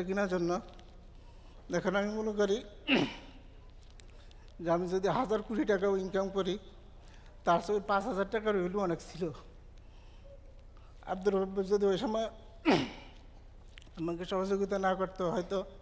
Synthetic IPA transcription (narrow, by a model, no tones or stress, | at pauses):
eɡinad͡ʒɔnːɔ | d̪ekʰanamimunukɔɾi | d͡ʒamid͡ʒɔd̪iɦad͡zaɾkuɽiʈakainkamkɔɾi | t̪aɾsɔpãt͡sɦɔd͡zaɾʈakaɾuɦelũɔneksʰilo | a̰b̚d̪uɾbabd͡ʒɔd̪iɔjsama | amakesɔɦɔd͡zoɡit̪anakɔɾt̪ɔɦɔjt̪ɔ